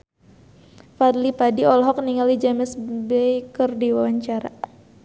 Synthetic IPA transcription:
fad̪lipadiɔlɦɔk̚niŋalid͡ʒamɪsbɛjkərdiwawaɲt͡ʃaɾa

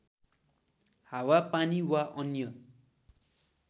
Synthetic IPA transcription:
hawapaniwaʔʌnjʌ

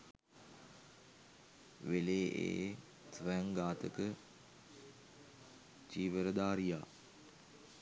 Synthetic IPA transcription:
ʋeleːʔḛː | sʋɛŋɡaːt̪əkə | t͡ʃiːʋəɾəd̪aːɾija̰ː

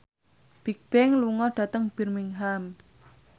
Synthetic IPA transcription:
b̥ik̚b̥ɛŋluŋɔɖ̥ä̤t̪əŋb̥i̤rmiŋɦam

